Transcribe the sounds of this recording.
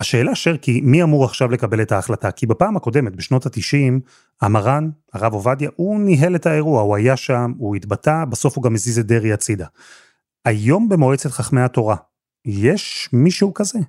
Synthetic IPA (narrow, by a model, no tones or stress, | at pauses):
haʃe̞ːlaʃeʁkimiamuʁaχʃavle̞kabe̞le̞taːχlatakibapaːmako̞de̞met̚beʃno̞tat̪iʃim | amaʁan | aʁavovadjaʔuniɦe̞le̞tae̞ʁuauajaʃamuitbatabaso̞fuɡamezized̪eʁiat͡sid̪a | ajo̞mbemo̞et͡setχaχmeato̞ʁa | jeʃmiʃeukaze̞